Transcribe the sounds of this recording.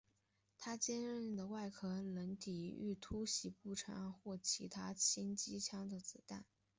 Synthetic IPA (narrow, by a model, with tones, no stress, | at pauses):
t̪ʰa˥t͡ɕjɛ˥nɻə˥˩nd̪ə˩wa˥˧ɪkʰɤ˥lə˧˥nt̪i˨˩y̰˥˩t̪ʰu˥ɕi˧˥pu˥˩ʈ͡ʂʰɑ˧˥ŋxwɔ˥˩t͡ɕʰi˧˥t̪ʰa˥t͡ɕʰi˥nt͡ɕi˥t͡ɕʰjɑ˥ŋd̪ə˨t͡sɹ̩˨˩t̪a̰˥˩n